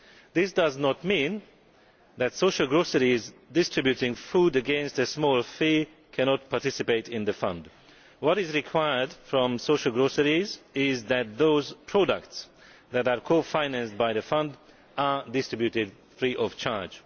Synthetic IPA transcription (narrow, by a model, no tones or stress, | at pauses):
ðɪsd̥ʌznɔt̚mĩn | ðætsoʊʃəl̩ˠɡɹosəɹizdɪstɹ̥ɨbjutɪ̃ŋfuːdɨɡɛ̃nstəsmɔlˠfi | kʰæñɔt̚pʰatɪsɨpeɪtɪ̃nðəfʌ̰̃nd | wɔɾɪzɹɪkʰw̥aɪə˞dfɹɔ̃msoʃəl̩ˠɡɹosəɹizɪzðæt̪̚ðoʊzpʰɹ̥ɔdək̚ts | ðætaɹkʰoʊfãɪnæ̃nst̚baɪðəfʌ̃nd | adɪstɹɪbjutɪd | fɹiʔɔv̥t͡ʃʰaɹd͡ʒ